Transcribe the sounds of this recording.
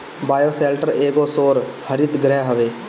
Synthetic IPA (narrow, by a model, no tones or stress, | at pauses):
baːjoːseːlʈəɾeːɡoːsoːɾhəɾɪt̪ɡɾɛːɦəʋeː